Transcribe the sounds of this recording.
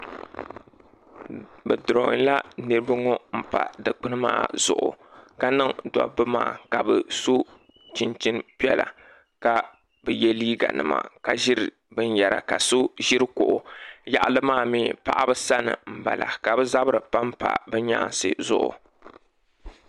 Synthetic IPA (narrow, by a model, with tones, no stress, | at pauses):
bɛ˨dʊ˨ɾo˨ŋ˨˦la˦nɨ˦ɾɨ˦ba˦ŋɔ˦m̩˦pa̰˨dɨ˨k͡pɨ˦nɨ˦ma̰ː˦˨z̥ʊ˨ʔʊ˨ | ka˦nɨ˦ŋdɔ̰˨bɨ˦ma̰ː˦˨ka˨bɨ˨su˦ | t͡ʃi˨nt͡ʃɪ˦npi˦ɛ˦la̰˨ | ka˨ | bɨ˨jɛ˦liː˦ɡa̰˨nɨ˨ma̰˨ka˨ʒɪ˦ɾɨ˨ | bɨ˦n˦ja˨ɾa̰˨ka˨su˦ʒɪ˦ɾɨ˦kʊ˨ʔʊ˨ja˨ʔa˦˨lɨ˦maː˦˨miː˦pa˨ʔa˦bɨ˦sa˦nɨ̰˨m̩˨ba˨la˨ka˨bɨ˦za˦bɨ˦ɾɨ˨pa˦mpa̰˨bɛ˦ɲaː˦˨nsɨ̰˦zʊ˦ʔʊ̰˨